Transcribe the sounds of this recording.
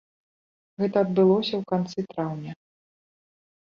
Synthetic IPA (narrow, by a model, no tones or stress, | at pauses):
ɣɛt̪ɐːd̪̚bɨlˠɔsʲɐwkant̪sɨt̪ɾawnʲɐ